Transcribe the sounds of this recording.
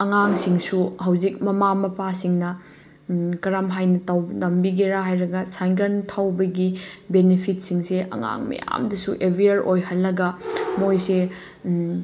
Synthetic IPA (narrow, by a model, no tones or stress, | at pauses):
ɐŋaŋsiŋsuɦɐwzik̚mɐmamɐpasiŋnɐ | kɐɾamɦajnɐtawnɐmbiɡeɾaɦajɾɐɡɐsajŋɡɐntʰawbɐɡibenepʰit̚siŋseʔɐ̰ŋa̰ŋmɐ̰ja̰mdɐsuʔebɾiɐɾʔojɦɐlːɐɡɐmojse